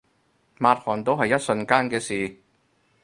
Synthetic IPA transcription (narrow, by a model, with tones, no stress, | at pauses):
maː˧t̚hɔː˨˩nt̪o˥wɦɐ˨jːɐ˥t̚sɵ˧nkaː˥nkɛː˧siː˨˩